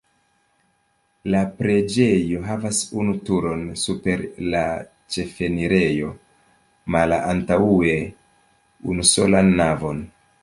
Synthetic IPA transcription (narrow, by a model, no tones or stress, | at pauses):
lapɾe̞d͡ʒe̞jo̞ɦavasunutuɾo̞nsupe̞ɾla | t͡ʃe̞fe̞niɾe̞jo̞ | malaʔantaue̞ | ṵnuso̞lanːavo̞n